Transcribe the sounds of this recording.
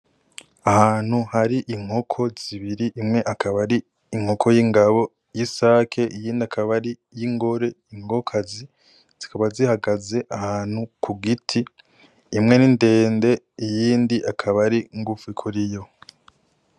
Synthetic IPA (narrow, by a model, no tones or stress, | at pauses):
ahaːn̥huhaɾiʔiŋ̥ho̞kʰo̞z̥iβiɾiʔimŋe̞ʔakʰaβaɾiː | ŋ̥hokʰo̞jiŋɡaβo̞ | jisaːkʰe̞ʔijiːndiakʰaβaɾijiŋɡo̞ɾe̞iŋɡo̞kʰazi | z̥ikaβazihaɡaze̞ʔahaːn̥hukʰuɡitʰiː | mŋe̞ninde̞ːnde̞ | ijiːndiʔakʰaβaɾiŋɡufuikʰuɾijo̞